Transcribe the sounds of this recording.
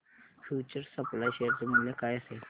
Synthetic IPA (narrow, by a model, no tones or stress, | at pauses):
fjuːt͡ɕəɾsəplajɕejəɾd͡ʑəməljakaːjəse